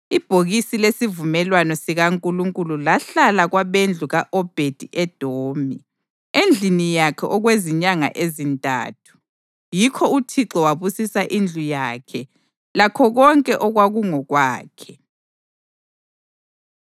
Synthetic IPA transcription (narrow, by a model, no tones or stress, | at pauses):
ib̥ʱoɣisilesivumɛlwanɔsiɣaŋkʼuluŋkʼululaɬalaɣwaβend͡ɮʱuɣaʔɔb̥ʱed̥ʱiʔɛd̥ʱoːmi | end͡ɮʱinijakʰɛʔɔɣweziɲaŋa̰ʔezintʼa̰ːtʰu̥ | jikʰɔutʰiǁɔwaβusisaʔind͡ɮʱujaːkʰɛ | lakʰɔɣɔŋkʼɛʔɔɣwaɣuŋɔɣwaːkʰɛ̥